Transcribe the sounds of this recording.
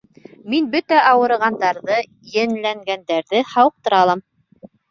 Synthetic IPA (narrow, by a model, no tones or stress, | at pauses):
minbɵt̪æʔɑwɤ̆ɾɤ̆ʁɑnd̪ɑɾðɤ | jɘ̆nlæŋɡænd̪æɾðɘhɑwɤq̚t̪ɤ̆ɾɑlˠɑm